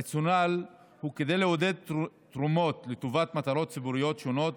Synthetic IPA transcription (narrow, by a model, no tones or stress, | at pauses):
t͡sjonal | huke̞d̪ejleod̪e̞d̪̚t̪ʁumo̞t̪let̪ovat̪mat̪aɾo̞t̪̚t͡sibuʁijo̞t̪ʃo̞no̞t̪